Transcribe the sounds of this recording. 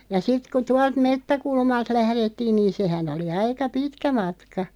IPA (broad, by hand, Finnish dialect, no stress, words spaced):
jɑ sit ku tuɑlt metːækulmɑlt læhretːiːn niːn̞ sehæn oli ɑikɑ pitkæ mɑtkɑ